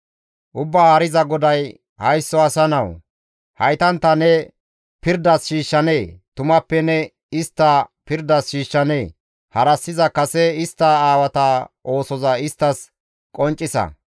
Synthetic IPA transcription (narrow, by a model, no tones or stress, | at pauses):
ʔʊbːaːhɐɾɪzɐɡɔd̪ɐj | hɐjsːɔɐsɐnɐw | hɐjt̪ɐnt̪ːɐnɛ | pɪɾd̪ɐsʃiːʃːɐne̞ːt̪ʊmɐpːɛnɛ | ɪst̪ːɐpɪɾd̪ɐsʃiːʃːɐneː | hɐɾɐsːɪzɐkɐsɛɪst̪ːɐaːwɐt̪ɐʔo̞ːsɔzɐɪst̪ːɐs | kʼɔnt͡ʃʼːɪsɐ̰